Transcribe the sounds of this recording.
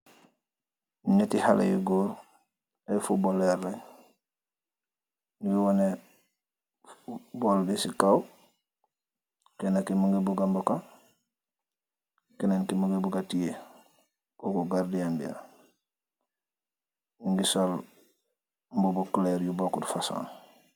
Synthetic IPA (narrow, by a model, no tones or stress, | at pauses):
ɲetiha̰lʔḛjḭɡoːɾ | efuboleɾleɲ | niwiwone | boldisikaw | kenakimuŋɡebuɡamboka | kenenkimuɡebuɡatije | koːkoɡaɾdijambḭa̰ | ŋɡisol | mbobukleɾjubokudufasa̰ːn